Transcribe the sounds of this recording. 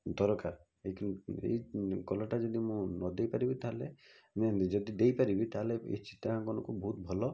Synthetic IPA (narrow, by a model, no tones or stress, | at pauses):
d̪ɔɾɔkaɾ | ekḛjkɔlɔʈad͡ʒɔd̪imũnɔd̪ejpaɾibit̪aɦle | med͡ʒɔd̪id̪ejpaɾibit̪aɦleḛt͡ʃʰi̥t̪aɦãkɔnɔ̃kubɔɦut̪̚bʱɔlɔ